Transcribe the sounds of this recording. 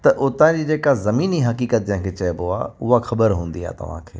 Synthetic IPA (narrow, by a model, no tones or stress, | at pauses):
t̪ɐʔʊt̪ãːd͡ʑiːd͡ʑeːkazɐmiːniɦɐkiːkət̪̚d͡ʒɪ̃ɦkʰet͡ɕɐeboa̰ʊɦaxɐbəɾɦũːnd̪ia̰ːt̪ɐ̰ʋ̤ã̰ːkʰeː